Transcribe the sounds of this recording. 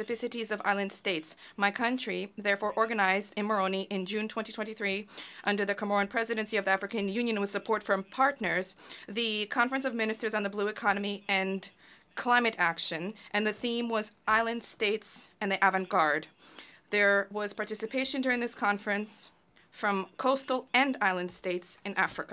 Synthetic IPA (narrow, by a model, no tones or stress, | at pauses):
ɨfɪsɨɾizʌva̰ɪlˠɨ̃nd̥steɪtsmaɪkʰʌ̃nt͡ʃɹ̥iðɛɹfɔɹʔɔɹɡɨnaɪzdɨ̃nmə˞õʊ̃niʔɪ̃nd͡ʒʉ̃ntʰw̥ɛ̃titʰwɛ̃ntiθɹiʔʌ̃ndə˞ðɨkʰəmɔɹɨ̃npʰɹ̥ɛzɨɾɨ̃nsiʌvðiæfɹɨkɨ̃njʉ̃njɨ̃nwɨð̥sɨpʰɔɹtfɹʌ̃mpʰɑɹtⁿnə˞zðɨkʰɑ̃ɱfɹɨ̃nsʌvmɪ̃nɨstə˞zn̩ðəbluɨkʰɑnɨmiɨ̃n | kʰl̥ãɪ̃mɨɾækʃɨ̃nʔɨ̃nðɨθĩmwʌzʔaɪlˠɨ̃nd̥steɪtsɨ̃nðiʔævɨ̃nɡ̥ɑɹd̚ | ðə˞wʌz̥pʰɑɹtʰɪsɨpʰeɪʃɨ̃ndʊɹɪ̃ŋðɪskʰɑ̃ɱfɹɨ̃ns | fɹʌ̃mkʰoʊstl̩ˠɨ̃naɪlˠɨ̃nd̥steɪtsɨ̃nʔæfɹɨkə